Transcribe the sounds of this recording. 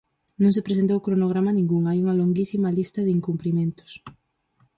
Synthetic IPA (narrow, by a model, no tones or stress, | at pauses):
nõŋs̬epɾesent̪̬owkɾonoɣ̞ɾamanĩŋɡuŋajuŋɐloŋɡisimalist̪ɐðɪiŋkumplimẽnt̪ʊ̥s